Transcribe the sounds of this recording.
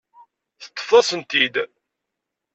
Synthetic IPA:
θə̥t̪ˤːə̥fɑsənt̪id̪

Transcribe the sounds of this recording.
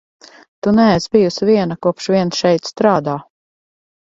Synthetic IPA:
t̪unæɛzbijusviɛnakuɔpʃviɛnsʃɛjt̪st̪ɾaːd̪aː

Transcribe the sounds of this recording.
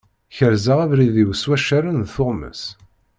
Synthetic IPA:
çəɾzəʁævɾiðiwswæʃaɾənðθʊʁmə̰s

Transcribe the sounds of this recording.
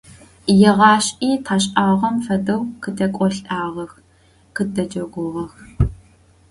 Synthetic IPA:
jɛʁɑːɕiːtʰaːɕʼaːʁɐmfɐdɐwqʰədʰɐkʷʼɔɬʼaːʁɐx | qɨdɐd͡ʒɐɡʷʊʁɐx

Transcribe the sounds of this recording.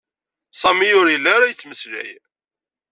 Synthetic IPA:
sˤɑmiʊɾjəlːæɾæjət͡sːməslæ̰j

